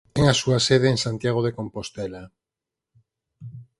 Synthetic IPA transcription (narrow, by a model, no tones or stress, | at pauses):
t̪eŋasuaseðeːnsant̪jaɣ̞oð̞eko̞mpo̞st̪ela